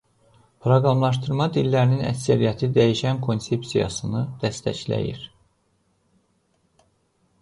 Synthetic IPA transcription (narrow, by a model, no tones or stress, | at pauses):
pʰɾoɡɾɑmlˠɑʃ̬t̪ɯɾmɑd̪ilːæɾininæ̰csæɾijæt̪ʰid̪æjiʃænkʰo̞nsepsijɑ̰sɯnɯd̪̥æst̪æ̰çlæ̰jḭɾ